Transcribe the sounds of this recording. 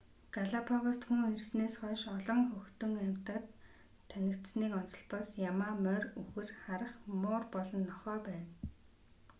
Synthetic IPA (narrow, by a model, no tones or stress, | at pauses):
ɡ̥aɮapʰɔɣɔst̪xuŋirsneːsχœːʃɔɮɞ̆ŋxɵxt̪ɵ̆ŋæm̥ʲt̪ə̆t̪ʰː | ænɪ̆kt̪sniːkɔnsɞ̆ɮpɔsjamaːmœruxɘ̆rχaɾə̆χmʊːrpɔɮɞ̆nːɔχœːpæːn